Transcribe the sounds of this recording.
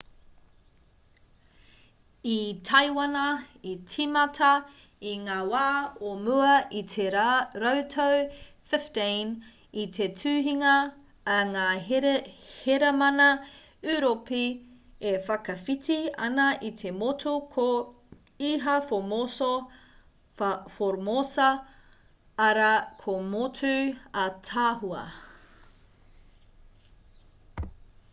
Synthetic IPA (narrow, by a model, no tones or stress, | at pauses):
itʰɐjwɐnɐit͡sʰimɐtʰɐ | iŋaːwaːomʉɐʔit̪ʰeɾowtʰow | fɪftin | itʰetʰʉːɦiŋɐː | ŋaː | heɾɐmɐnɐ | ʉɾopi | efɐkɐfitiɐ̰nɐʔit̪ʰe̞motʰukʰo | iɦɐfomoso | foɾmosɐ | ɐɾɐkʰomotʰʉɐtʰaːɦuɐ̰